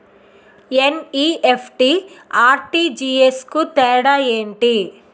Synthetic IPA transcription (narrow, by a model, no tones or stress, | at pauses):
eniepʰʈiaːɾʈid͡ʒiːeskut̪ɛːɽaːeːɳʈi